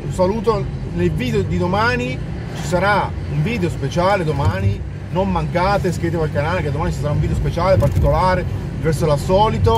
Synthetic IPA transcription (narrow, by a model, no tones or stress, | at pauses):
unsaluːt̪o | nelviːd̪eod̪id̪omaːni | t͡ʃi̥saɾauɱviːd̪eospet͡ʃaːled̪omaːni | nomːaŋkaːt̪eskɾet̪̬ːekalkanaːlekead̪omaːnit͡ʃisaɾaũɱvid̪eospet͡ʃaːlepart̪ikolaːɾe | vɛrsolasɔːlit̪o